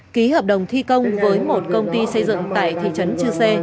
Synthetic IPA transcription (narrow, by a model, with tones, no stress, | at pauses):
ki˨˦həː˨˩p̚ɗə˨˩wŋ͡mt̪ʰi˧kə˧wŋ͡mvəː˨˦jmo˨˩t̚kə˧wŋ͡mt̪i˧sə˧jzɨ̰˧˨ŋt̪aː˧˩jt̪ʰḭ˧˨t͡ɕə˨˦nt͡ɕɨ˧se˧